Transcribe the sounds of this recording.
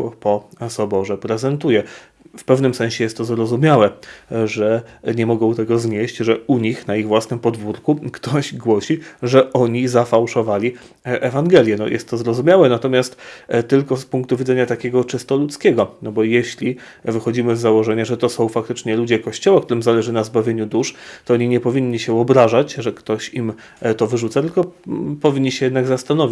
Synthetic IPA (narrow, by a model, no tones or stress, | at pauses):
pɔsɔbɔʐɛpɾɛzɛnt̪ujɛ | fpɛvnɘmsɛñɕɛjɛst̪ːɔzɾɔzumʲjawɛʐɛɲɛmɔɡɔ̃w̃t̪ɛɡɔzɲeɕt͡ɕʐɛuɲixnaiɣvwasnɘmpɔd̪vuɾkukt̪ɔʑɡwɔɕiʐɛʔɔɲizafawʂɔvalʲi | ʔɛvaŋɡɛlʲjɛnɔ̰jʔɛ̰st̪ːɔzɾɔzumʲjawɛnat̪ɔmʲast̪t̪ɘlkɔspuŋk̚t̪uvʲid̪ɛɲat̪akʲeɡɔt͡ʂɘst̪ɔlut̪skʲɛɡɔnɔbɔjeɕlʲi | vɘxɔd͡ʑimɘzːawɔʐɛɲaʐɛt̪ɔsɔ̃w̃fak̚t̪ɘt͡ʂɲɛlud͡ʑɛkɔɕt͡ɕɔwakt̪uɾɘmzalɛʐɘnazbavʲjeɲud̪uʂt̪ɔɔɲiɲɛpɔvʲiɲːiɕɛvɔbɾaʐat͡ɕʐɛkt̪ɔɕim | t̪ɔvɘʐut̪sat̪ɘlkɔpɔvʲiɲːiɕɛjɛd̪naɡzast̪anɔvʲi